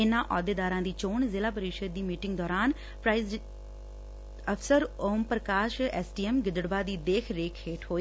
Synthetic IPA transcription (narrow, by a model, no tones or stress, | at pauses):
ɪnãːʔɔːd̪eːd̪aːɾãːd̪iːt͡ʃoːɳzɪlaːpəɾiːʃəd̪̚ːiːmiːʈɪŋɡd̪ɔːɾaːn | pɾaːiz | əpʰsəɾoːmpɾəkaːʃɛːsʈiːɛːmɡɪd̪əɽbaːd̪iːd̪eːkʰɾeːkʰeːʈɦoːiː